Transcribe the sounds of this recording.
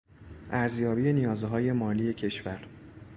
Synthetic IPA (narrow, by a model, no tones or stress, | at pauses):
ʔæɾzjɒːbiːje̞nijɒːzɦɒːje̞mɒːlije̞cʰe̞ʃvæɾ